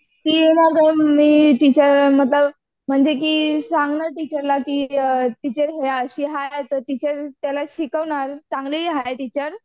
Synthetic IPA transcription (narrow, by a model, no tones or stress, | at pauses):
kiːjenaɾɡəmiːt̪it͡ɕəɾm̤ət̪̬ləb | m̤əɳd͡zek̬iːsaŋɡɳəɾʈit͡ɕəɾlakiːt̪it͡ɕəɾɦeəɕiːɦajt̪əɾt̪it͡ɕəɾt̪jalaɕikəʋɳaɾt͡saŋɡleʋiɦajt̪it͡ɕəɾ